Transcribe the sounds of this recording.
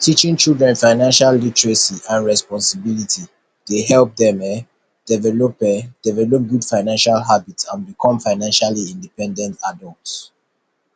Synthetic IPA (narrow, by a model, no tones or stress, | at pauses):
tʰit͡ʃĩŋt͡ʃildɹɛ̃nfaɪnãnʃalːitɹɛsiʔãnɹɛspɔ̃nsibilitʰi | d̥eɦɛlp̚dɛ̃mɛ | d̥ɛvɛlɔpɛd̥ɛvɛlɔp̚ɡudfaɪnãnʃalɦabitsãnbikʰɔ̃mfaɪnãnʃaliĩndipɛ̃ndɛ̃ntadɔlts